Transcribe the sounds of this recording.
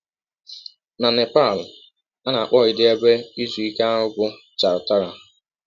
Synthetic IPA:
na˨ne˨pa˦˨l | a˦na˨a˨k͡pɔ˦˨ɪ˨dɪ˦e˦be˦i˦zu˨i˦ka˦ɦʊ˦bʊ˦ | t͡ʃa˨ɾʊ˨ta˦ɾa˨

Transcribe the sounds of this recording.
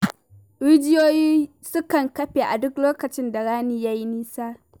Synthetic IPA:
ɾɪ˦d͡ʒɪ˦joː˦jiː˦ | sʊ˦kɐ˨ŋkɐ˦ɸeː˨ʔa˨dʊ˦kloː˦kɐ˨t͡ʃɪ˦nda˨ɽaː˦niː˦ja˦ji˦niː˦saː˦

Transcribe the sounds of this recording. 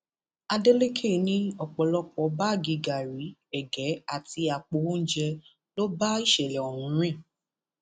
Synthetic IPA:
a˧de˦le˦kʰe˦˨nĩ˦ɔ˨k͡pɔ˨lɔ˧k͡pɔ˨˦ba˦˨ɡi˨˧ɡa˨ɾi˨˦ɛ˨ɡɛ˨˦a˦˨ti˧a˨k͡po˧˦o˦d͡ʒɛ˧ | lo˦ba˦i˦˨ʃɛ˨lɛ˨o˨ɾũ˨˦ɾ̃ĩ˦˨

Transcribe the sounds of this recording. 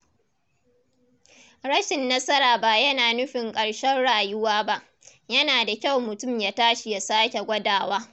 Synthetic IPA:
ɽɐ˦ʃɪ˨nːɐ˦sɐ˦ɾaː˨ba˦jɐ˦naː˨nʊ˦ɸɪ˨ŋkʼɐ˨ɽʃɐ˦nɽaː˨jʊ˦waː˦ba˦ʔ | jɐ˦naː˨da˨kʲa˦˨wmʊ˨tʊ˦˨mja˦taː˦ʃi˨ja˨saː˦kʲe˨ɡʷɐ˦daː˨waː˦

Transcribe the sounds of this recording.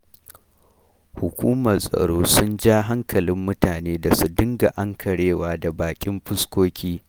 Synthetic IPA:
hʊ˨kʷuː˦mɐ˨rsʼɐ̰˨ɽoː˦sʊ˦nd͡ʒaː˦ɦa˦ŋkʰɐ˨lɪ˦mːʊ˦taː˨neː˦da˨su˨dɪ˦ŋɡa˨ʔa˦ŋkʰɐ˨ɽeː˦waː˦da˨baː˨kʲʼɪ˦mɸɪ˦skʷoː˦kʲiː˦

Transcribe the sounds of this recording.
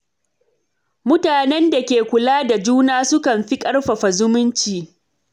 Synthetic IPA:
mʊ˦taː˨nɛ˦nda˨kʲeː˨kʷʊ˨laː˦da˨d͡ʒuː˦naː˦sʊ˦kɐ˨mɸi˦kʼɐ˦rɸa˨ɸa˨zʊ˦mʊ˦nt͡ʃiː˨

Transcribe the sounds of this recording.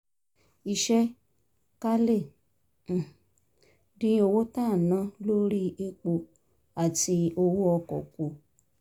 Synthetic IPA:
i˨ʃɛ˦ | ka˦le˦˨ | dĩ˧˦o˧wo˦ta˦˨nã˦lo˦ɾi˦e˧k͡po˧ | a˨ti˧o˧wu˦ɔ˧kɔ̰˨ko˨

